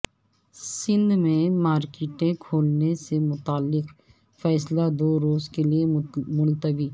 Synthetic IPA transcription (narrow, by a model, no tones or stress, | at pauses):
sɪ̃nd̪mẽmaːɾkeːʈẽkʰoːlnesemʊt̪aːlːɪq | fɛːslad̪oːɾoːzkeliemʊlt̪əbiː